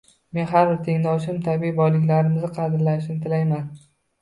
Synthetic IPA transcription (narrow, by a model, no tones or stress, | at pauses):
me̞nɦaɾbɪɾt̪ʰe̞ŋnɒwʃɪmt̪ʰabiːbɒjlɪkʲlaɾɪmɪzɪqʰɑd̪ɪɾlanɪʃnɪt̪ʰɪlajman